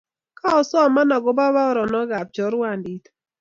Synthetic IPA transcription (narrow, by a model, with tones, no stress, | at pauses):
ka˦ɔ˨sɔ˦˨ma˦na˨ɡɔ˦ba˦ba˦ɔ˦ɾɔ˨nɔ˦ɡa˨p̚t͡ʃɔ˨˦ɾwa˦˨ndi˨˦t̪